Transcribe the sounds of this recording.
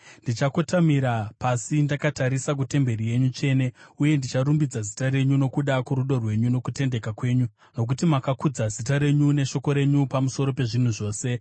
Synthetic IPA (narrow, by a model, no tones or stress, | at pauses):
ndit͡ʃako̞tamiɾapasindakataɾisak̬ute̞mbe̞rije̞ɲut͡ʃe̞ːne̞uje̞ndit͡ʃaɾumbid͡zazitaɾe̞ɲuno̞kuɗakuɾuɗo̞rwe̞ɲuno̞kute̞nde̞kakwe̞ːɲu | no̞k̬utimakakud͡zazitaɾe̞ɲune̞ʃo̞ko̞ɾe̞ɲupamuso̞ɾo̞pe̞ʐin̤uʐo̞ːse̞